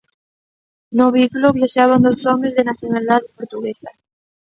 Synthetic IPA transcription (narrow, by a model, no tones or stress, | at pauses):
noβikuloβjaʃaβ̞and̪osomezðenaθjonald̪aðepoɾt̪uɣesa